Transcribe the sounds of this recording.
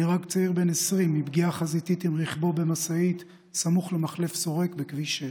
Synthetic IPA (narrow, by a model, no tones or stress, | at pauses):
iʁakt͡saiʁbe̞nesʁimːibɡiaχazitit̪imʁiχbobe̞masait̪ | samuχlemaχle̞fso̞ʁe̞kbekviʃe